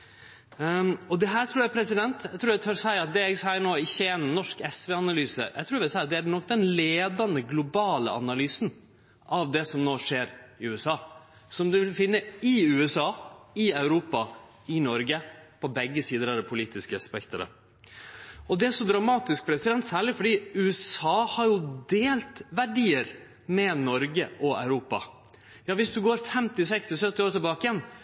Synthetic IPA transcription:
ɔd̪ɛɦæːɾt̪ʰɾuːɾjæɪpʰɾɛsɪd̪ɛnt̪jæɪt̪ʰɾuːɾjæt̪ʰøɾsæɪɾɑt̪̚d̪ɛɛɡsæɪːəɳoːɪçːəɛnnːɔʂkɛsʋɛɑnɑlyːsə̰jʔæ̰t̪ʰɾuːɾʋɪlsæɪɑt̪̚d̪ɛæɾnɔkːd̪ɛnleːd̪ɑnəɡlʊbɑːlə̰ʔɑ̰nɑlyːsn | ʔɑʋd̪ɛsɔmnoːʂeːɾɪʉːɛsɑː | sɔmd̪ʉʋɪlfɪnːəɪʉːɛsɑːɪɑʉɾuːpɑ | ɪnɔɾɡəpʰɔbɛɡːəsiːd̪əɾæd̪ɛpʰʊliːt̪ɪskəɑspɛkt̪əɾə̰ | ʔɔd̪ɛæʂɔd̪ɾɑmɑːt̪ɪsk̚bɾɛsɪd̪ɛnt̪sæːɭɪfɔɖiːʉːɛsɑːhɑɾjʊd̪eːlt̪ʋæɖiːəɾ | mɛnɔɾɡəʔɔɑ̰ʉɾuːpɑ | jɑːʋɪsd̪ʉɡoːɾfɛmt̪ɪsɛkst̪ɪsœt̪ːɪoːɾt̪ʰɛbɑːkɪjɛn

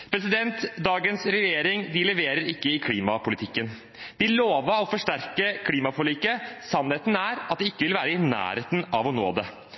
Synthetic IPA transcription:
pʰɾɛs̬ɪd̪ɛnt̪d̪ɑːɡənsɾɛjeːɾɪŋd̪ɪlɛʋeːɾəɾɪkːəɪkʰliːmɑpʊlɪt̪ʰɪkːən | d̪̥ɪloːʋəɔfɔʂʈæɾkəkʰliːmɑfɔɭiːkːəsɑnːheːt̪n̩æɾɑt̪̚d̪ɪɪkːəʋɪlʋæːɾəɪnæ̰ːɾeːt̪nɑʋɔno̰ːd̪ɛ

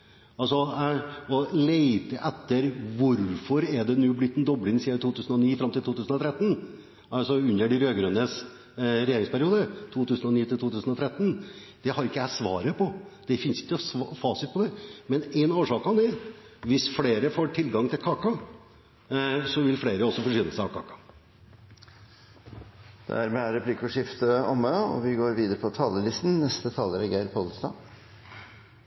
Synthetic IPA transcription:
ɑlsɔ | ɔleɪt̪əʔɛt̪ːəɾʋʊɾfɔɾɛɖɛnuːblɪt̪ːɛnd̪ɔblɪŋsiːəɾt̪ʰuːt̪ʉːsən̩ɔniːfɾɑmt̪ɪlt̪uːt̪ʉːsən̩ɔt̪ʰɾɛt̪ːn̩ | ɑlsɔʉnːəɖɪɾøːɡɾʉnəs | ɾɛjeːɾɪŋspʰæɾɪuːd̪ət̪ʰuːt̪ʉːsənɔniːt̪ʰɪlt̪uːt̪ʉːsn̩ɔt̪ʰɾɛt̪ːən | d̪̥ɛhɑɾɪkːəæsʋɑ̰ːɾəpʰɔd̪̥ɛfɪnsɪ̥kːəsfɑːsɪt̪̚pʰɔd̪ɛmɛnenoːʂɑːkɑnɛ | ʋɪsfleːɾəfoːʈʰɪlɡɑŋt̪ʰɪlkʰɑːkɑ | sɔʋɪlfleːɾəɔsːɔfɔʂʏnəsæɑkʰɑ̰ːkɑ̥ | d̪̥æ̰æɾmɛæɾɛpʰlɪkːɔʂɪft̪əɔməɔ̰ʋɪɡoːɾʋiːd̪əɾəpʰɔt̪ʰɑːləlɪst̪n̩nɛst̪ət̪ʰɑːləɾɛɡæɪɾpʰɔlst̪ɑ̰ː

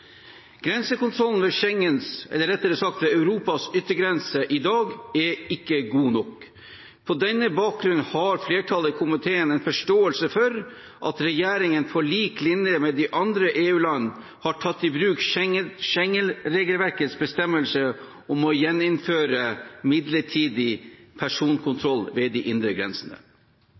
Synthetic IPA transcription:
ɡ̥ɾɛnsəkʊnt̪ʰɾɔln̩ʋɛʃɛŋːənsɛ̰lːəɾɛt̪ːəɾəsɑk̚t̪ʋɛɑʉɾuːpɑsʏt̪ːəɡɾɛnsəʔɪd̪ɑːɡɛɪkːəɡuːnɔk | pʰɔd̪ɛnːəbɑːk̚ɡɾʉnhɑɾfleːʈʰɑləkʰʊmɪt̪ʰeːənɛɪnfɔʂʈoːəlsəfɔɾ | ʔɑt̪ɾɛjæːɾɪŋənfɔɭiːklɪnəmɛd̪ɪʔɑnd̪ɾəʔeːʉːlɑnː | hɑʈʰɑt̪ːɪbɾʉːkʃɛŋəlɾeːɡəlʋæɾkət̪sbəst̪ɛmːəlsə | ɔmɔjɛnːɪnføːɾəmɪd̪ləʈʰiːd̪ɪpʰæʂuːnkʰʊnt̪ʰɾɔlʋɛːd̪ɪʔɪnd̪ɾəɡɾɛ̰nsənə̰

